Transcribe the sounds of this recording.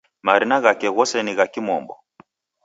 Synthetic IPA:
maɾinaɣakɛɣɔsɛniɣakimɔmbɔ̰

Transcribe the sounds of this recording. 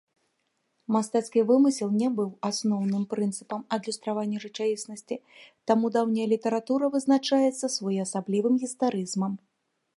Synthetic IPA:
mast̪at̪skʲivɨmɨsʲilˠnʲɛbɨwasnɔwnɨmpɾɨnt̪sɨpɐmɐd̪lʲust̪ɾavanʲːɐʐɨt͡ʂavʲisnɐsʲt͡sʲit̪amud̪awnʲɐjɐlʲit̪ɐɾat̪uɾɐvɨznat͡ʂajɛt̪sːɐsvɔjiɐsablʲivɨmɣʲist̪aɾɨzmɐm

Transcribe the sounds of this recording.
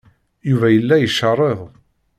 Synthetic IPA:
juvæjəlːæjəʃːərˤːeðˤ

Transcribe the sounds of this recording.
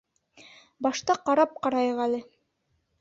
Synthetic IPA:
bɑʃt̪ɑqɑɾɑp̚qɑɾɑjɤʁælɘ

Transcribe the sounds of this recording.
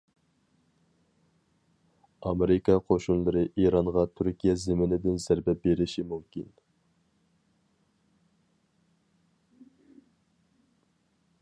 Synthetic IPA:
ɑmeɾɪkɑqʰoʃunlˠɨɾɨʔiɾɑɴʁɑt̪ʰyɾkʲijɛzɪmɪnɪd̪ɪnzæɾbɛp̚beɾɪʃimumkʲin

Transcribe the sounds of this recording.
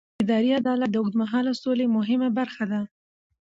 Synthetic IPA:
ɪd̪ɑɾiad̪ɑlat̪̚d̪əʊd̪maɦɑlasolemʊɦɪmabaɾxad̪a

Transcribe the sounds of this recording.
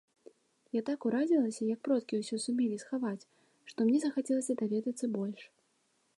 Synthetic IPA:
jat̪akuɾad͡zʲilˠɐsʲɐjɐk̚pɾɔt̪kʲiwsʲɔsumʲɛlʲisxavat͡sʲ | ʂt̪ɔmnʲɛzɐxat͡sʲɛlˠɐsʲɐd̪avʲɛd̪ɐt̪sːɐbɔlʲʂ

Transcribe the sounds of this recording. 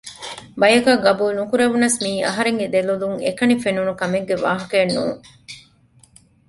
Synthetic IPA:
bɐjɐkɐɡɐbuːlnukuɾeʋunɐsmiːʔɐ̰ɦɐɾeŋɡed̪eluluŋḛkɐnifenunukɐmeŋɡeʋa̰ːɦɐkeːnːṵːŋ

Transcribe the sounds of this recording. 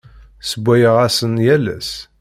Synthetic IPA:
səbʷːæjəʁæsənjælæ̰s

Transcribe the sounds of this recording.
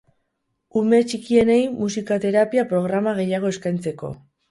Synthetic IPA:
umet͡ʃikie̞ne̞jmusikat̪e̞ɾapiapɾo̞ɣɾamaɣe̞jaɣ̞o̞e̞skajnt͡se̞ko̞̰

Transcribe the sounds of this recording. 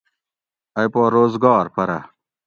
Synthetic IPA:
ɐjpoːɾoːzɡɑːɾpɐɾɐ̰

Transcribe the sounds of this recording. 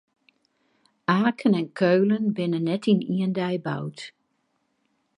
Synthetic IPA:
aːkʰənɛnkʰøːlənbɪnənːɛtiniəndɛjba̰wt

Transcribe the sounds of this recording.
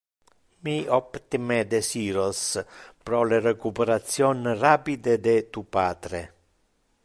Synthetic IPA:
miɔpt̪imed̪esiːɾospɾɔlerekupeɾat̪sjɔnrapid̪ed̪et̪upat̪ɾe

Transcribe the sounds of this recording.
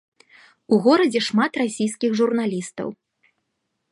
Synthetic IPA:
uɣɔɾɐd͡zʲɛʂmat̪rasʲijskʲixʐurnalʲist̪ɐ̰w

